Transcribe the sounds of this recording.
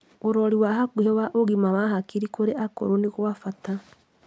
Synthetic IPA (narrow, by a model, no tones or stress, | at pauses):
oɾɔɾiwaɦakuɦɛwaʔoɣimawaɦakiɾikoɾeʔako̰ɾoneɣoafata